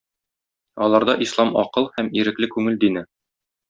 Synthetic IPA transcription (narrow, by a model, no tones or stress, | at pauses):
ɒlˠɑɾd̪ɑʔislˠɑmɒ̰qɤlˠhæmiɾɘ̆klɘkʉŋɘld̪inɘ